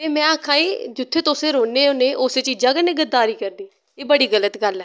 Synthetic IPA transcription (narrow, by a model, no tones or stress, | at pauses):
t̪eːmɛ̃ːəkʰãːiːd͡ʒʊt̪ʰːeːt̪oːseːɾoːneːoːneːʔoːseːt͡ʃiːd͡ʒãːkəneːɡəd̪ːaːɾiːkəɾd̪iː | eːbəɽiːɡələt̪ɡəlɛː